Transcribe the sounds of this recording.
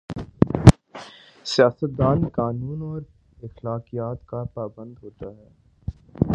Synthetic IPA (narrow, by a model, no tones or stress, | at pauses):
sijaːsət̪̚d̪aːnkaːnuːnɔːɾ | ɪxlaːkijaːt̪kapaːbə̃nd̪ɦoːt̪aɦɛː